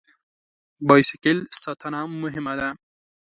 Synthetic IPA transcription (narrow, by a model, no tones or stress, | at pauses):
bɑjsɪkɪlsɑt̪ʰanɑmːʊɦɪmad̪a